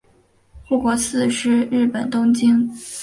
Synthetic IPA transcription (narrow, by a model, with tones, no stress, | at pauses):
xu˥˩kwɔ˧˥sɹ̩˥˧ʂɻ̩˥ɻɻ̩˥˩pə˨˩nt̪ʊ˥ŋt͡ɕi˥ŋ